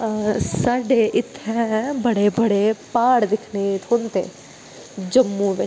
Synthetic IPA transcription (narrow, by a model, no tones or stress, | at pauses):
saːɖeːʔɪt̪ʰːɛ̃bəɽeːbəɽeːpaːɽd̪ɪkʰnet̪ʰʊnt̪ḛː | d͡ʒəmːũːʋɪ